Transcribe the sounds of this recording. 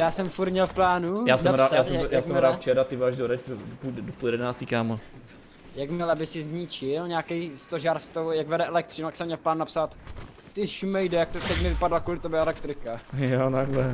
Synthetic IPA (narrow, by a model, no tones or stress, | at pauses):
jaːsɛmfuɾmɲɛlfplaːnujaːsɛmɾaːjaːsɛmjaːsɛmmɾaːdft͡ʃɛɾat̪ɪvaːʒdoɾɛt͡ʃpuddopujɛdɛnaːst̪ikaːma | jaɡmɛlabɪsɪzɲɪt͡ʃɪlɲaːkɛjst̪oʒaːɾst̪ojaɡvɛdɛʔɛlɛk̚t̪rɪnujaksɛmɲɛlplaːnunapsaːt̪ | t̪ɪʃmɛjdɛjak̚t̪ot̪ɛcmɪvɪpadlakuːlɪt̪ɛbɛɛlɛk̚t̪ɾɪkajot̪aɡlɛ